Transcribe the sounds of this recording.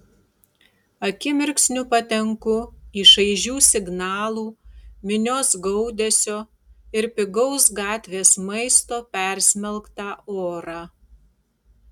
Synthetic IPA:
ɐkʲɪmʲɪɾʲksʲnʲʊpɐt̪ʲɛŋkʊiʃɐɪʒʲuːsʲɪɡnɑːlˠuːmʲɪnʲoːsɡɔʊd̪ʲɛsʲoː | ɪɾpʲɪɡɔʊsɡɑːt̪ʲʋʲeːsmɐɪst̪oːpʲɛɾʲsʲmʲɛlˠkt̪ɑːoːɾɑː

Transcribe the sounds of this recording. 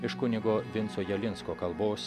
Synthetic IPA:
ɪʃkʊnʲɪɡoːʋʲɪnsoːjɛlʲɪnskoːkɐlˠboːs

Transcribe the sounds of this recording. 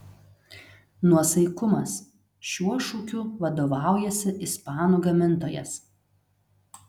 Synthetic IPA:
nuɔsɐɪkʊmɐs | ʃʲuɔʃuːkʲuʋɐd̪oːʋɑˑʊjɛsʲɪʔɪspɑːnuːɡɐmʲɪnt̪oːjɛ̰s

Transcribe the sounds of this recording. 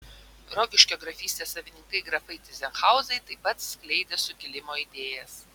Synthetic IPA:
ɾɔɡʲɪʃʲkʲoːɡɾɐfʲiːsʲt̪ʲeːsɐʋʲɪnʲɪŋkɐɪɡɾɐfɐɪt̪ʲɪzʲɛnxɑˑʊzɐɪt̪ɐɪpɐt̪sʲklʲɛɪd̪ʲesʊɡʲɪlʲɪmoːid̪ʲeːjɛs

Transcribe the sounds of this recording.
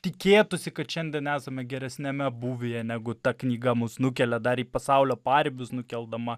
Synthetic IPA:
t̪ʲɪkʲeːt̪ʊsʲɪkɐt̪ʃʲɛnʲd̪ʲiɛnæːsɐmʲɛɡʲɛɾʲɛsʲnʲɛmʲɛbuːʋʲejɛnʲæɡʊt̪ɐknʲiːɡɐmʊsnʊkʲɛlʲɛd̪ɐɾiːpɐsɑʊlʲoːpɑːɾʲɪbʲʊsnʊkʲɛlˠd̪ɐmɐ

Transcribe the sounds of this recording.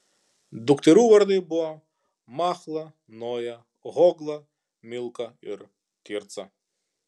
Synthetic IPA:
d̪ukt̪ɪɾuʋɐɾnɪbua | maxlˠɐ | nɔjɐ | ɣɔɡlˠɐ | mʲilˠkɐḭr | kʲirt̪sɐ

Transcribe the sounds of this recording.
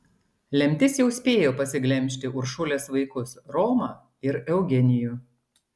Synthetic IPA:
lʲɛmʲt̪ʲɪsjɛʊsʲpʲeːjoːpɐsʲɪɡlʲɛmʲʃ̬ʲt̪ʲɪʔʊɾʃʊlʲeːsʋɐɪkʊsɾɔːmɑː | ɪɾɛʊɡʲɛnʲɪjuː

